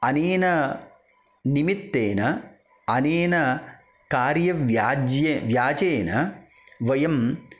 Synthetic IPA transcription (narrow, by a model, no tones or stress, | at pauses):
ɐneːnɐ | nimit̪ːeːnɐ | ɐneːnɐ | kaːɾjɐʋjaːd͡ʒjeʋjaːd͡ʒeːnɐ | ʋɐjɐm